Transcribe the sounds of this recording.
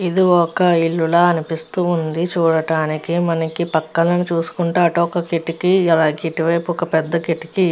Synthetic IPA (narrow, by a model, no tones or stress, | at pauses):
id̪iɔkɐiɭːulɐːɐnipist̪uːund̪it͡ʃuːɽɐʈaːnikimɐnɐkipɐkːɐlɐnut͡ʃuːsu̥kuɳʈaːɐʈuɔkɐkeʈːikiɐlaːɡeiʈiʋɐjpuɔkɐpɛd̪ːɐkeʈːi̥ki